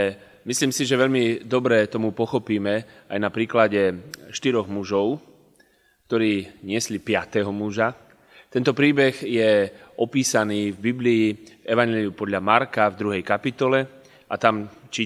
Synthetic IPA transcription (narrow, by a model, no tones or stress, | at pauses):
ɛ | misliːmsiʒɛʋɛʎmid̪ɔbɾɛt̪ɔmupɔxɔpiːmɛajnapɾiːklaɟɛʃt̪iɾɔɣmuʒɔʊ | k̚t̪ɔɾiːɲɪɛslipɪat̪ɛɦɔmuʒa | t̪ɛnt̪ɔpɾiːbɛɣjɛʔɔpiːsaniːvbibliːvɛʋaɲɛliupɔd̪ʎamaɾkavd̪ɾuɦɛjkapit̪ɔlɛ | ʔat̪amt͡ʃiː